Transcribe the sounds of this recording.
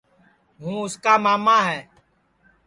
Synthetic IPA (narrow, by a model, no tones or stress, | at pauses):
ɦũːʊskaːmaːmaːɦɛː